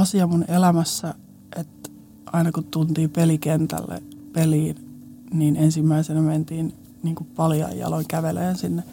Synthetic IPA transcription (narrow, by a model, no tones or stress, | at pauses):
ɑsiɑmunelæmæsːæ | ʔet̪ | ʔɑinɑkut̪t̪unt̪iːpelikent̪æ̰lːḛpeliːn | niːnensimːæisenæment̪iːn | niːŋkuppɑliɑ̰jjɑ̰loŋkæʋeleːnsinːe